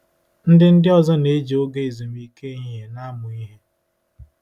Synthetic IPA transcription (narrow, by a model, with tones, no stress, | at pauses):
n̩˦dɪ˦n̩˦dɪ˦ɔ˦zɔ˦ne˨˦d͡ʒi˨o˦ɡe˦i˨zu˨m̩˦i˦ke˦i˦ɦe˨na˦mʊ˨i˦ɦe˦